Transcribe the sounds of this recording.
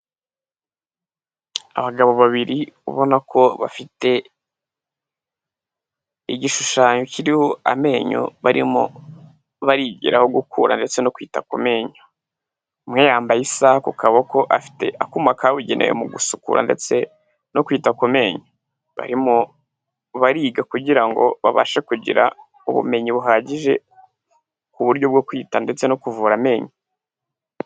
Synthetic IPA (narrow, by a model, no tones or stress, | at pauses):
a̰βaɡaβo̞βaβiɾiṵβo̞nakʰo̞βa̰fite̞ | iɟiʃuʃaːɲocʰiɾihoa̰me̞ːɲo̰βaɾḭmo̰ | βaɾiɟiɾaho̞ɡukʰuːɾa̰nde̞t͡se̞nokwiːtakume̞ːɲo | mŋeːjaːmbajisaːhakukʰaβoko̞ʔafi̥te̞ʔakumakʰawiɟe̞nʔejḛmuɡusukṵɾʔa̰ndet͡se̞ | nokwiːtakume̞ɲo | βa̰ɾimo | βaɾiːɡakuɟiɾaŋɡo̞̰βaβa̰ʃekuɟḭɾa̰ | uβṵme̞ɲiβuɦaːɟiʒe̞̰ | kuβuɾɟo̞bɡokwiːtande̞t͡se̞nokuvuːɾame̞ːɲo